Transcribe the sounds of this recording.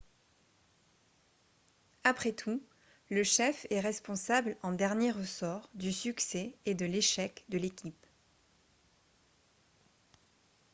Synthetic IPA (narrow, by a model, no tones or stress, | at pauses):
apχɛt̪ʰu | ləʃɛfɛʁɛspɔ̃sablɑ̃d̪ɛʁnjeʁəsɔʁd̪ysyksɛed̪əleʃɛkd̪əlekʲip